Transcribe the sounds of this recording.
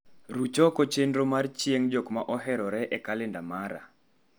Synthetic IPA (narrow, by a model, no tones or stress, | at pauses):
ɾut͡ʃɔkot͡ʃendɾomart͡ʃjeŋd͡ʒokmaʔɔɦɛɾɔɾɛʔɛkalɪndamaɾa̰